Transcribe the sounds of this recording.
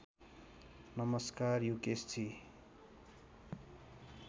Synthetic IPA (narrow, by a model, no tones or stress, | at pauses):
nʌmʌskarjukest͡sʰi